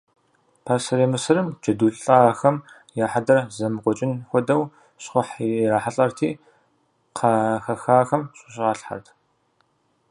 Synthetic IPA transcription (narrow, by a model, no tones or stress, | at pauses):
pʰasɐɾemɨsɨɾɨmd͡ʒɐduːɬʼɬʼaːɐxɐm | jaːħadɐrzɐmɨqʷʼɔt͡ʃʼɪnxʷɔdɐw | ɕχʷʊħraːħaɬʼɐrtʰiː | qʰɐxɐxaːxɐmɕʼʊɕʼɪʁɑːɬħa̰rtʰ